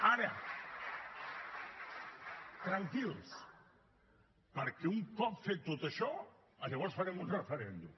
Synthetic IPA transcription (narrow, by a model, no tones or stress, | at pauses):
aɾɐ | t̪ɾaŋkils | paɾkeuŋkɔpfet̪ot̪ɐʃɔ | ɐʎeɣɔɾsfaɾemʊzrefeɾend̪u